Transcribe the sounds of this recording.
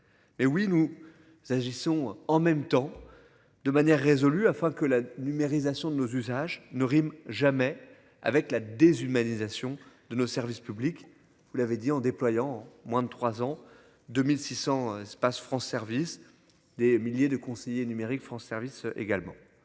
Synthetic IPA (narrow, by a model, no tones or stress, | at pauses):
mɛwinu | zaʒisɔ̃ɑ̃mɛmt̪ɑ̃ | d̪əmanjɛʁːezɔlyafɛ̃kəlanymeʁizasjɔ̃d̪ənozyzaʒnəʁimʒamɛ | a̰vɛklad̪ezymanizasjɔ̃d̪̥ənosɛʁvispyblik | vulaved̪iɑ̃d̪eplwajɑ̃mwɛ̃d̪ət̪χwazɑ̃ | d̪əmilsisɑ̃ɛspasfχɑ̃sːɛʁvis | d̪emiljed̪əkɔ̃sejenymeʁikfχɑ̃sːɛʁvisʔḛɡalmɑ̰̃